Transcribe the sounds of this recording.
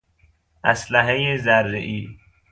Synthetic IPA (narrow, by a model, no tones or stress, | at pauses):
æslæɦejezæɾːeʔiː